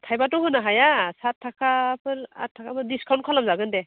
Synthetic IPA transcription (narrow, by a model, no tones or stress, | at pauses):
tʰajbatɔɦɯnaɦajasatʰːakapʰɯla̰tʰːakapɯdiskʰawnt̚kʰɔlamzaɡɯndɛ